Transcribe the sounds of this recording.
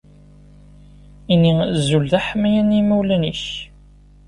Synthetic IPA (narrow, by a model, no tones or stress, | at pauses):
inizulðæħəmːæjænimæwlæniç